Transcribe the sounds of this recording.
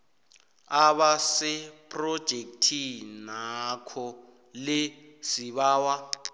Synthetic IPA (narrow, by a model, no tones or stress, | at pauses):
aɓasɛpʰʼrɔd̥ʒ̥ʱek̚tʰinakʰɔ | le | siβaːwa